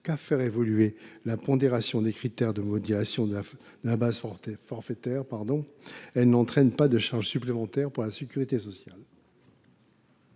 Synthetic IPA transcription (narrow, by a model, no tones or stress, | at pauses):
kafɛʁevɔlyelapɔ̃d̪eʁasjɔ̃d̪ekχit̪ɛʁd̪əmɔd̪elasjɔ̃ | d̪̥əlabazfɔʁfet̪ɛʁpaʁd̪ɔ̃ | ɛlnɑ̃t̪χɛnpad̪əʃaʁʒsyplemɑ̃t̪ɛʁpuʁlasekʲyʁit̪esɔsjal